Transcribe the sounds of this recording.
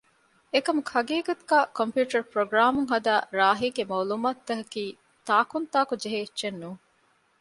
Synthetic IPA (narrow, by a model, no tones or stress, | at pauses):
ekɐmukʰɐɡiːɡɐt̪uɡaːkompjuːʈɐɾpɾoɡɾaːmuŋɦɐd̪aːɾaːɦiːɡemɐwlumaːt̪ːɐɦɐkiː | t̪aːkunt̪aːkud͡ʒeɦeiːʃenːuː